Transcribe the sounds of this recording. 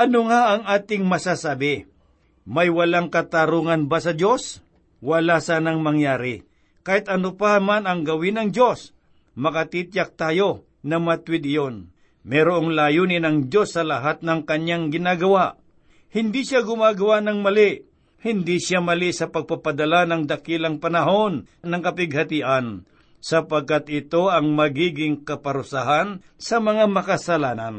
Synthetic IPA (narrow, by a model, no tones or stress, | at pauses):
ʔɐnoŋaʔɐŋaːt̪ɪŋmɐsasaːbɪ | mɐjwɐlaŋkɐt̪aɾuːŋɐnbasɐd͡ʒo̞s | wɐlasaːnɐŋmɐŋjaːɾɪ | kaːhɪt̪ʔɐnopamanɐŋɡɐwɪnɐŋd͡ʒo̞s | mɐkɐt̪it̪jak̚t̪aːjo | nɐmɐt̪wɪd̪ɪjon | mɛːɾoʔɐŋlaːjunɪnɐŋd͡ʒo̞sːɐlɐɦat̪̚nɐŋkɐɲjaŋɡɪnaːɡɐwaʔ | hɪnd̪iʃjaɡʊmaːɡɐwanɐŋmɐli | hɪnd̪iʃjamɐlisɐpɐɡ̚pɐpɐd̪ɐlanɐŋd̪ɐkilɐŋpɐnɐɦo̞nnɐŋkɐpɪɡ̚hɐt̪iʔɐn | sɐpɐɡ̚kat̪ɪt̪o̞ɐŋmɐɡiːɡɪŋkɐpɐɾʊsaɦan | sɐmɐŋamɐkɐsɐlaːnɐn